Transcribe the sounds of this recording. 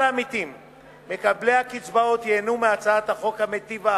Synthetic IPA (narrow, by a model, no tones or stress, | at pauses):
amit̪imː | e̞kablehakit͡sbaot̪jeːnumeat͡saat̪haχo̞khamet̪iva